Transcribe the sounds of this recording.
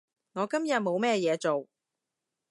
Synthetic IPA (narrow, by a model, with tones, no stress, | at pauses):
ŋɔː˨˧kɐ˥mjɐ˨t̚mo˨˧wmɛː˥jɛː˨˧t͡so˨w